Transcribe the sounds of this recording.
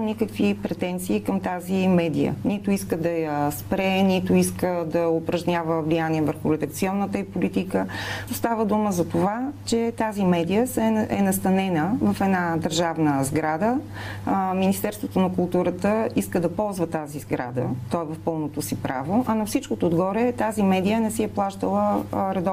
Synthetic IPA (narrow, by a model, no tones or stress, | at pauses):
nikəkvipɾɛt̪ɛnt̪siːkɐmt̪azimɛd̪ijə̰nit̪ʊiskəd̪ɐjəspɾɛnit̪ʊiskəd̪ɐopɾɐʒnʲavəvlijaniɛvəɾxʊɾɛd̪ək̚t̪siɔnːət̪əipolit̪ikəst̪avəd̪uməzɐt̪ovat͡ʃɛt̪azimɛd̪ijəɛɛnɐst̪ɐnɛnəvɐfɛd̪nad̪əɾʒavnəzɡɾad̪ə | minist̪ɛɾst̪vot̪onɐkʊlˠt̪uɾət̪əiskəd̪ɐpɔlˠzvət̪azizɡɾa̰d̪ə̰t̪ɔɛvɐfpɤlˠnot̪osipɾa̰voʔɐnɐfsit͡ʃkot̪oːd̪ɡɔɾɛt̪azimɛd̪ijənɛsiɛplˠaʃt̪əlˠəɾɐd̪ɔ